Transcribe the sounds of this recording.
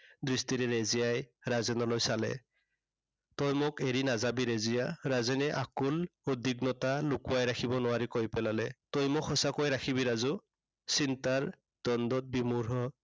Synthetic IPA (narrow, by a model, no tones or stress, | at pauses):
dɹistiɾɛɹezijajɹazɛnɔlojsalɛ̰ | tɔjmʊkeɹinazabiɾezijaɹazɛnɛʔakulodiɡnɔtalukuajɾakʰibɔnʊwaɹikojpɛlalɛtɔjmʊkhɔsakojɾakʰiβiɾazu | sintaɹ | d̥ɔndɔt̚bimuɹɦɔ